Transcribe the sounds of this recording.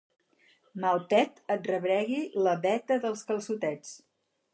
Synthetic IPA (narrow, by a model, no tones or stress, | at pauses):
malˠt̪ɛt̪ət̪̚rəβɾɛɣiləβɛt̪əðəlˠskəlˠsut̪ɛt͡s